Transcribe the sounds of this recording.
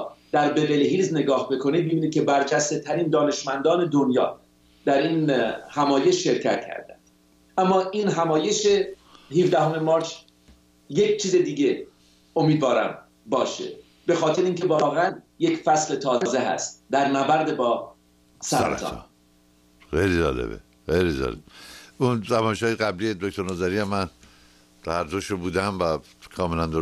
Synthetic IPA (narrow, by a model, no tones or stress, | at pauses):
d̪̥æɾbebeleɦizne̞ɡɒːhbe̞kʰo̞niːd̪̚mebiniːd̪kcʰebæɾd͡ʒæst̪e̞t̪ʰæɾiːnd̪ɒːne̞ʃmænd̪ɒːne̞d̪onjɒ̰ː | d̪æɾiːnhæmɒːje̞ʃʃe̞ɾcʰæ̰t̪̚cʰæ̰ɾd̪æ̰nd̪̥ | ʔæmːɒːʔiːnɦæmɒːje̞ʃe | hivd̪æɦomemɒːɾt͡ʃʰ | jekt͡ʃʰiːze̞d̪iːɟe̞ | omiːd̪vɒːɾæ̰m | bɒːʃḛ | be̞xɒːt̪ʰeɾeiŋcʰe̞vɒːɣeæn | jecfæsle̞t̪ʰɒːze̞ɦæ̰st̪̚d̪æɾnæbæɾd̪e̞bɒː | sæɾ̰ɾ̰t̪ɒ̰ | xejlid͡ʒɒ̰ːlḛbḛ | xejlid͡ʒɒ̰ːlebunzæmɒːjeʃɒːjeɡæblijed̪ok̚t̪ʰoɾnozæɾiæmːæn | t̪ææɾd̪oʃɾobuːd̪æmvæ | kʰɒːmelænd̪o